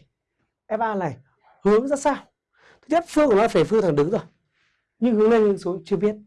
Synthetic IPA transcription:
ʔɛ˧mʔaː˧laː˨˩j | hɨ˨˦əŋzaː˦˥saː˧w | t̪ʰk̚t͡ɕə˦˥t̚fɨ˧ŋkːn˨˧˨faː˧˩fɨ˧t̪ʰa˨˩ŋɗɨ˨˦ŋzo˨˩j | ɲɨ˧ŋhɨ˨˦əŋle˧nhɨ˨ə˦ŋsu˨˦t͡ɕɨ˧əɓi˦˥ət̚

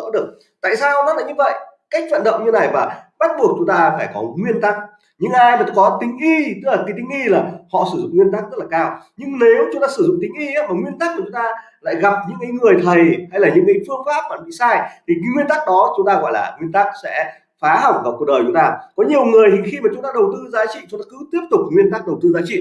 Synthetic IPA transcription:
ə̰˧˥ɗɨ˨˩ək̚ | t̪a̰ː˧˨jsaː˧wnɔ˨˦la̰ː˧˨ɲɨ˧və̰˧˨jka˦˥jk̚t͡ɕwa̰ː˧˨nɗə̰˧˨wŋ͡mɲɨ˧na˨˩jvaː˨˩ɓa˦˥t̚ɓu˨˩ək̚t͡ɕʊ˨˦ŋ͡mt̪aː˧faː˧˩jkɔ˨˦ŋwi˧ənt̪a˦˥k̚ | ɲɨ̰˧˥ŋʔaː˧jmə˨˩kɔ˨˦t̪ï˨˦ŋ̟ʔi˧t̪ɨ˦˥laː˨˩k̪i˨˦t̪i˨˦ŋ̟ʔi˧laː˨˩hɔ̰˧˨sɨ˧˩zʊ̰˧˨ŋ͡mŋwi˧ənt̪aː˦˥k̚zə˦˥laː˨˩kaː˧wɲɨ˧ŋne˨˦wt͡ɕʊ˨˦ŋ͡mt̪aː˧sɨ˧˩zʊ̰˧˨ŋ͡mt̪ï˨˦ŋ̟ʔi˧ʔaː˨˦maː˨˩ŋwi˧ənt̪a˦˥k̚ku˧˩t͡ɕʊ˨˦ŋ͡mt̪aː˧la̰ː˧˨jɣa˨˩p̚ɲɨ̰˧˥ŋkaː˨˦jŋɨ˨˩əjt̪ʰə˨˩jha˧jlaː˨˩ɲɨ̰˧˥ŋkaː˨˦jfɨ˧əfaː˦˥p̚vaː˨˩˨ɓḭ˧˨saː˧jt̪ʰi˨˩ɲ˧˦ŋwi˧ənt̪a˦˥k̚ɗɔ˨˦t͡ɕʊ˨˦ŋ͡mt̪aː˧ɣɔ̰˧˨jlaː˨˩ŋwi˧ənt̪aː˦˥k̚sɛ̰˧˥ | faː˨˦ɦa˨˩wk͡p̚vaː˨˩wku˨˩ək̚ɗəː˨˩t͡ɕʊ˨˦ŋ͡mt̪aː˧kɔ˨˦ɲi˨˩əwŋɨ˨˩əjt̪i˨˩xi˧maː˨˩t͡ɕʊ˨˦ŋ͡mt̪aː˧ɗə˨˩wt̪ɨ˧zaː˨˦t͡ɕḭ˧˨t͡ɕʊ˨˦ŋ͡mt̪aː˧kɨ˨˦t̪i˦˥əp̚t̪ʊ˨˩k͡p̚ŋwi˧ənt̪a˦˥k̚ɗə˨˩wt̪ɨ˧zaː˨˦t͡ɕḭ˧˨

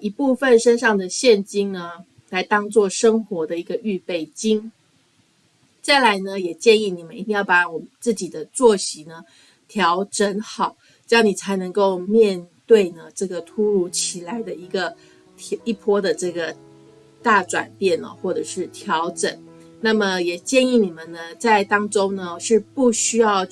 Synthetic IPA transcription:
i˧˥pu˥˧fə˥˨nʂə˥nʂɑ˥˩ŋd̪ə˩ɕjɛ˥˩nt͡ɕi˥ŋnə˧ | la˧˥ɪt̪ɑ˥ŋt͡swɔ˥˩ʂɤ˥ŋxwɔ˧˥d̪ə˧i˧˥ɡə˧ʔy˥˧pe˥˩ɪt͡ɕi˥ŋ | t͡sa˥˩ɪla˧˥ɪnə˧jɛ˨˩t͡ɕjɛ˥˧ni˥˩ni˨˩mə˦ni˧˥˩t̪i˥ŋjɑ˥˩ʊpa˧˥wɔ˨˩mə˦nt͡sɹ̩˥˩t͡ɕi˨˩d̪ə˦t͡swɔ˥˩ɕi˨˥˦nə˧ | t̪ʰjɑ˧˥ʊʈ͡ʂə˧˥nxɑ˨˩˦ʊ˥ | jɑ˥˩ʊni˨˩t͡sʰa˧˥ɪnɤ˧˥ŋko˥˧ʊmjɛ˥˧nt̪we˥˩ɪnə˩ʈ͡ʂɤ˥˩ɡə˩t̪ʰu˥ɻu˧˩t͡ɕʰi˨˩la˧˥ɪd̪ə˧i˧˥ɡə˧ | i˥˩pʰwɔ˥d̪ə˨ʈ͡ʂɤ˥˩ɡə˩ | t̪a˥˩ʈ͡ʂwa̰˨˩npjɛ˥˩nə̰˩xwɔ˥˩ʈ͡ʂɤ˨˩ʂɻ̩˥˩t̪ʰjɑ˧˥ʊʈ͡ʂə˨˩˦n | na˥˩mə˩jɛ˨˩t͡ɕjɛ˥˧ni˥˩ni˨˩mə˦nnə˩t͡sa˥˩ɪt̪ɑ˥ŋʈ͡ʂo˥ŋnə˧ʂɻ̩˥˧pu˥˩ɕy˥jɑ˥˧ʊ

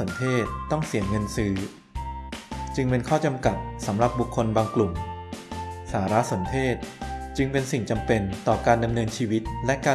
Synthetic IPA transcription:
o˩˦nt̪ʰeː˥˩t̪̚ːɔ˥˩ŋsi˨˩˦ənŋɤ˧nsɯː˦˥ | t͡ɕɯ˧ŋpe˧nkʰɔː˥˩t͡ɕa˧mka˨˩t̪̚sa˩˦mɾa˨˩p̚bu˨˩kʰːo˧nbaː˧ŋklu˨˩m | saː˩˦ɾa˦˥ʔso˩˦nt̪ʰeː˥˩t̪̚t͡ɕɯ˧ŋpe˧nsi˨˩ŋt͡ɕa˧mpe˧nt̪ɔː˨˩kaː˧nda˧mnɤː˧nt͡ɕʰiː˧wi˦˥t̪̚lɛ˦˥ʔkaː˧

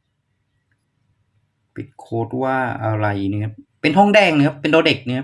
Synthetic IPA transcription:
pi˨˩t̪̚kʰoː˦˥t̪̚waː˥˩ʔa˧ɾa˧˩jnɯ˦˥pe˧nɦɔ˥˩ŋdɛː˥˩ŋnɯ˦˥˦ɐ˧pːe˧ndoː˧de˨˩k̚nɯ˦˥

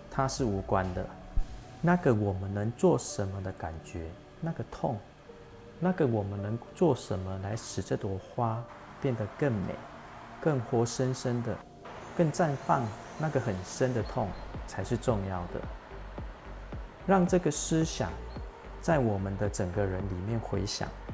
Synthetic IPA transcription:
t̪ʰa˦ʂɻ̩˥˩u˧˥kwa˦nd̪ə˨ | na˥˨ɡə˨wɔ˨˩mə˨˦nnə˧˦ŋt͡swɔ˥˨ʂə˧˦nmə˨d̪ə˨ka˨˩nt͡ɕɥɛ˨˦ | na˥˧ɡə˨t̪ʰɔ˥˨ŋ | na˥˩ɡə˨wɔ˨˩mə˦nːə˧˦ŋt͡swɔ˥˩ʂə˧˦nmə˧la˧˦ɪʂɻ̩˨˩ʈ͡ʂə˥˧t̪wɔ˨˦xwa˦ | pjɛ˥˨nd̪ə˩kə˥˩ŋmḛ˨˩˦ɪ | kə˥˩ŋxwɔ˥ʂə˦nʂə˦nd̪ə˨ | kə˥˧ŋt͡sa˥˧nfɑ˥˨ŋ | na˥˩ɡə˩xə˨˩nʂə˦nd̪ə˨t̪ʰɔ˥˩ŋt͡sʰa˧˦ɪʂɻ̩˥˧ʈ͡ʂʊ˥˧ŋjɑ˥˩ʊd̪ə̰˩ | ɻɑ˥˧ŋʈ͡ʂɤ˥˩ɡə˨˩ʂɻ̩˦ɕja̰˨˩ŋ | t͡sa˥˩ɪwɔ˨˩mə˦nd̪ə˨ʈ͡ʂə˨˩ŋɡə˨ɻə˧˦nli˨˩mjɛ˥˩˨nxwe˧˥ɪɕja̰˨˩˦ŋ

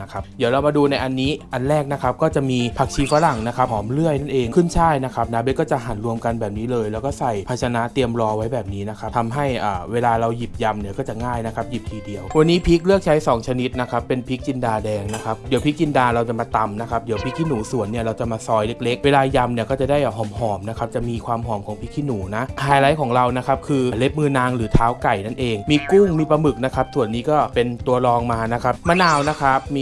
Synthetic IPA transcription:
na˦˥kʰa˦˥p̚di˩˦əwɾa˧wmaː˧duː˧na˧jʔa˧nːiː˦˥ʔa˧nɾɛː˥˩k̚na˦˥kʰa˦˥p̚kɔː˥˩t͡ɕa˨˩miː˧pʰaː˨˩k̚t͡ɕʰiː˧faː˨˦˥ɾa˨˩ŋna˦˥kʰa˦˥p̚hɔː˩˦mlɯ˥˩əjna˥˩nʔeː˧ŋkʰɯ˥˩nt͡ɕʰaː˥˩jna˦˥kʰa˦˥p̚naː˦˥be˦t̪̚kɔː˥˩t͡ɕa˨˩ɦa˩˦nɾu˧əmka˧nbɛː˨˩p̚niː˦˥lɤː˧jlɛː˦˥wkɔː˥˩sa˨˩jpʰa˧t̚t͡ɕʰa˧na˦˥ʔt̪i˧əmɾɔː˧wa˦˥jbɛː˨˩p̚niː˦˥na˦˥kʰa˦˥pt̪ʰa˧mɦa˥˩jʔaː˨˩weː˧laː˧ɾa˧wji˨˩p̚ja˧mni˥˩kɔː˥˩t͡ɕa˨˩ŋaː˥˩jna˦˥kʰa˦˥p̚ji˨˩p̚t̪ʰiː˧di˧əwwa˧nːiː˦˥pʰi˦˥k̚lɯ˥˩ək̚t͡ɕʰa˦˥jsɔː˩˦ŋt͡ɕʰa˧ni˦˥t̪̚na˦˥kʰa˦˥pːe˧npʰi˦˥k̚t͡ɕi˧ndaː˧dɛː˧ŋna˦˥kʰa˦˥p̚di˩˦wpʰi˦˥k̚t͡ɕi˧ndaː˧ɾa˧wt͡ɕa˨˩maː˧t̪a˧mna˦˥kʰa˦˥p̚di˩˦wpʰi˦˥kʰːiː˥˩nuː˩˦su˨˩ənːi˥˩ɐɾa˧wt͡ɕa˨˩maː˧sɔː˧jle˦˥k̚le˦˥k̚weː˧laː˧ja˧mni˥˩kɔː˥˩t͡ɕa˨˩daː˥˩jɦɔː˩˦mhɔː˩˦mna˦˥kʰa˦˥p̚t͡ɕa˨˩ʔmiː˧kʰwaː˧mɦɔː˩˦mkʰɔː˩˦ŋpʰi˦˥kʰiː˥˩nuː˩˦na˦˥ʔʰaː˧jɾa˨˦˥jkʰɔː˩˦ŋɾa˧wna˦˥kʰa˦˥p̚kʰɯː˧˩le˦˥p̚mɯː˧naː˧ŋɾɯː˩˦t̪ʰaː˦˥wka˨˩jna˥˩nʔeː˧ŋmiː˧ku˥˩ŋmiː˧pɾa˧mɯ˨˩k̚na˦˥kʰa˦˥p̚su˨˩ənːiː˦˥kɔː˥˩pe˧nt̪u˧ɐɾɔː˧ŋmaː˧na˦˥kʰa˦˥p̚maː˧naː˧wna˦˥kʰa˦˥p̚miː˧

